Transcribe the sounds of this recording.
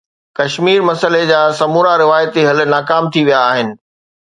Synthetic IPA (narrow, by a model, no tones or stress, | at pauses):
kɐʃmiːɾmɐsəled͡ʑaːsɐmuːɾaɾɪʋaːjət̪iɦɐl̆naːkaːmt̪ʰiʋijaːɦɪnɪ̆